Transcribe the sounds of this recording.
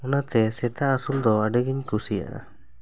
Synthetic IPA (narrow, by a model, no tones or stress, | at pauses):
ɔnat̪ɛsɛt̪aːsuld̪ɔaɖəɡiɲkusia̰ʔa̰